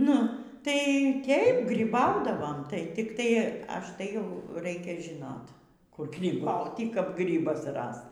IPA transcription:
ˈnʊ tɐɪ ˈtʲeːɪp ɡrʲiːˈbɐʊdɐʋoːm tɐɪ tʲɪkˈtɐɪ ˈɐʃ tɐɪ jɛʊ ˈrɐɪkʲɛ ʒʲɪˈnoːt kʊr ɡrʲiːˈbɐʊtʲiː kɐp ˈɡrʲiːbɐs ˈrɐst

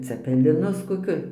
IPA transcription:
t͡sʲɛpʲɛ lʲɪnʊs koːˈkʲʊ

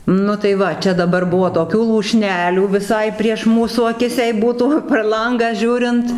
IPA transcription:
ˈnʊ tɐɪ ˈʋɐ ˈt͡ʃʲɛ dɐˈbɐr ˈbʊʋoː toːˈkʲuː lˠuːˈʃʲnʲæːlʲuː ʋʲɪˈsɐɪ pʲrʲiɛʃ ˈmuːsuː ɐˈkʲɪs jɛɪ ˈbuːtuː pʲɛr ˈlˠɐŋɡɑː ˈʒʲuːrʲɪnt

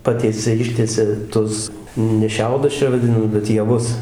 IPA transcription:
ˈpɑːtʲiɛsʲɛ ˈɪʃʲtʲiɛsʲɛ ˈtʊs nʲɛ ˈʃʲɛʊdʊs ˈt͡ʃʲɛ ʋɐˈdʲɪnɐ bʲɛt jɛˈʋʊs

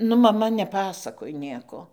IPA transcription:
ˈnʊ mɐˈmɐ nʲɛˈpɑːsɐkoːj ˈnʲiɛkoː

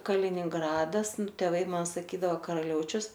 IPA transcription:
kɐlʲɪnʲɪŋˈɡrɑːdɐs tʲeːˈʋɐɪ ˈmɐn sɐˈkʲiːdɐʋoː kɐrɐˈlʲɛʊt͡ʃʲʊs

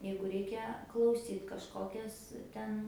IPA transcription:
ˈjɛɪɡʊ ˈrʲɛɪkʲɛ klˠɐʊˈsʲiːt kɐʃˈkoːkʲɛs ˈtʲɛn

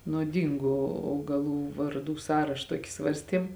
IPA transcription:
nuɔˈdʲiːŋɡʊ ɐʊɡɐˈlˠuː ʋɐrˈduː ˈsɑːrɐʃ ˈtuɔkʲɪ ˈsʋɐrʲsʲtʲiɛm

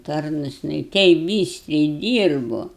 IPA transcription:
ˈtɐrnʊs jɪˈnɐɪ ˈtʲɛɪp ˈbʲiːsʲtʲrʲɛɪ ˈdʲiːrbʊ

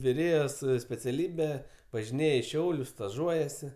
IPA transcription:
ʋʲɪˈrʲeːjoːs sʲpʲɛt͡sʲɛˈlʲiːbʲɛ ʋɐʒʲɪˈnʲeːj ɪ ˈʃʲɛʊlʲʊs stɐˈʒuɔjɛsʲɪ

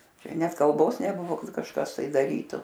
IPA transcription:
ˈt͡ʃʲɛ ˈnʲɛt kɐlˠˈboːs nʲɛˈbʊʋoː ˈkɐt kɐʃˈkɐs tɐɪ dɐˈrʲiːtʊ

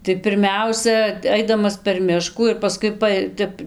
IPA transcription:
tɐɪ pʲɪrʲˈmʲɛʊsʲɛ ˈɐɪdɐmɐs pʲɛr ˈmʲɪʃkuː ɪr pɐˈskʊɪ ˈpɐj ˈtʲɛp

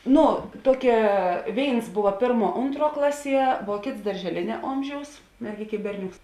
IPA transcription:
ˈnʊ ˈtuɔkʲɛ ˈʋʲeːɪns ˈbʊʋɐ ˈpʲeːrˌmuɔ ˈʊntˌruɔ ˈklˠɑːˌsʲiɛ ʋuɔ ˈkʲeːts dɐrʲʒʲɛˈlʲeːnʲɛ ˈoːmʲˌʒʲɛʊs mʲɛrʲˈɡʲeːkʲ ɪ ˈbʲɛrʲˌnʲoːks

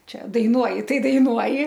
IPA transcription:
ˈt͡ʃʲɛ dɐɪˈnuɔjɪ ˈtɐɪ dɐɪˈnuɔjɪ

